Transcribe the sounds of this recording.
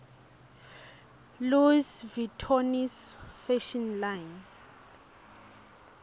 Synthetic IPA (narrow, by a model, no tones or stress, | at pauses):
luisvitʰɔnisfɛʃɔnlajn